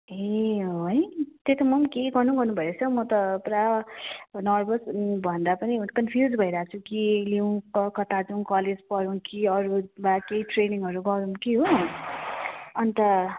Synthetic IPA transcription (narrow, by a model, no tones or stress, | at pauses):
eojt̪et̪ʌmʌmkeɡʌrnũɡʌrnubʱʌeɾet͡sʰʌmʌt̪ʌpra | nʌrbʌsbʱʌnd̪apʌninkʌnpʰjud͡zbʱʌiɾaɦaːt͡sʰukilew̃kʌkʌt̪ad͡zuw̃kʌled͡zpʌɾũkiʌɾubakejʈreniŋʌɾuɡʌɾumkiɦo | ʌnit̪ʌ